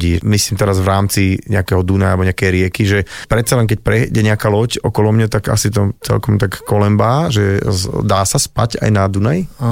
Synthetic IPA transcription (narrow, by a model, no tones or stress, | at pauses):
iːmisliːmt̪ɛɾazvɾaːmt͡siɲɛakɛɦɔd̪unajalɛbɔɲɛakɛjɾɪɛkiʒɛpɾɛt̪t͡salɛnk̬ɛc̚pɾɛɟɛɲɛakalɔcɔkɔlɔmɲat̪aka̰sit̪ɔt͡sɛ̰lkɔmt̪akːɔlɛmbaːʒɛd̪aːsaspa̰ca̰jnad̪unaj